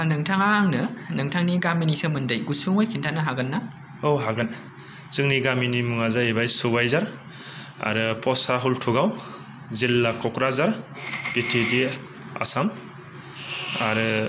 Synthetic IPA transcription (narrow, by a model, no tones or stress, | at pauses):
nɯŋtʰaŋaŋnɯnɯŋtʰaŋniɡaminisɯmɯndajɡusuŋojkʰintʰanɯɦaɡɯnːa | owɦaɡɯn | zɯŋniɡaminimuŋazaebajsubajzaɾ | a̰ɾɯpʰɔsaɦultʰuɡaw | zilːakʰɔkɾazaɾpetʰede | a̰sam | a̰ɾɯ